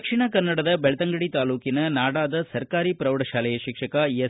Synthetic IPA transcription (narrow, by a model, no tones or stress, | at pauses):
kʂiɳɐkɐnːɐɽɐd̪ɐbɛɭɐt̪ɐŋɡɐɽit̪aːluːkinɐnaːɽaːd̪ɐsɐɾkaːɾipɾɐwɽɐʃaːlɐjɐʃikʂɐkɐje